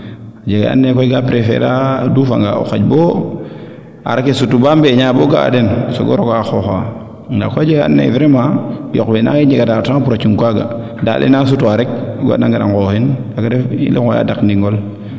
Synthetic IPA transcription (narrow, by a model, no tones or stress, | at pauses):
ad͡ʒeɡḛa̰nːekoiɡapɾefḛɾadufa̰ŋɡa̰o̰xaɟbo | a̰ɾakesutubambeɲaboɡaa̰denso̰ɡoɾokaxoxa | ŋɡakoad͡ʒeɡa̰nːḛvɾemajokbena̰kid͡ʒeɡadataŋpuɾat͡ʃuŋkʷaɡa̰ | da̰lʔḭnas̬utuaɾek̚ɡo̰naŋɡaɾa̰ŋkohinaɡadefḭlʔikoja̰dakniŋɡol